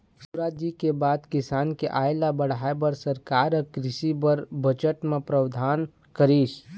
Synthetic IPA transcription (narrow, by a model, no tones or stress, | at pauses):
suɾaːd͡ʒikebaːd̪kɪsaːnkeʔaːjlabəɽ̤aːebɐɾsɐɾkaːɾəkɾɪʃibəɾbət͡ʃəʈmẽpɾɐwd̪ʱaːn | kəɾiːs